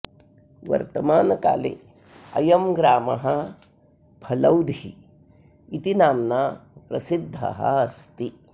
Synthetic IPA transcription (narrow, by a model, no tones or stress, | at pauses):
ʋɐ̰ɾt̪ɐmaːnɐka̰ːlḛ | ɐjɐmɡɾaːmɐɦɐ | bʰʱɐlɐwd̪ʱi | it̪inaːmnaːpɾɐsid̪ʱːɐ̰ɦɐ̰ɐst̪i